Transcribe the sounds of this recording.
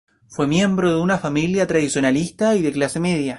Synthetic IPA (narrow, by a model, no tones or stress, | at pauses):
fwe̞mje̞mbɾoðeunafamiljat̪ɾaðisjo̞nalist̪aiðeklasemeðja